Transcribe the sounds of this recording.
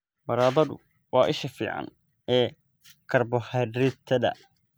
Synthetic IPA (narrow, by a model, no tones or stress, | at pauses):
mɐɾaːðɐðʊ̰ | wɑːʔɪʃɐfḭːʕɑ̰n | ɛː | kʰɐrbɔhɐɾɪt̪ʰɐðɐ̰